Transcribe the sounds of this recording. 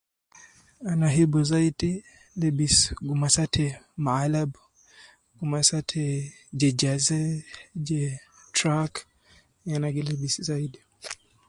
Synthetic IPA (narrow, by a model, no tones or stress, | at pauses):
anaɦibuzaiti | lɛbisɡumasatʰɛmaalab | ɡ̥umasatʰɛ | d͡ʒɛd͡ʒazɛd͡ʒɛtɾak | janaɡilibisizaidi